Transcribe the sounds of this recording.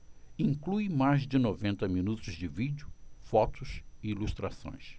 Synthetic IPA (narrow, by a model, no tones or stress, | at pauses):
ĩŋklujmajzd͡ʒɪnovẽnt̪ɐminut̪ʊzd͡ʒɪvid͡ʒʊfɔt̪ʊsɪilust̪ɾasõ̰j̃s